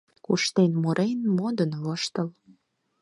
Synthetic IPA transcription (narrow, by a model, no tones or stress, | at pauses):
kuʃt̪enmoɾenmod̪ənvəʃt̪əl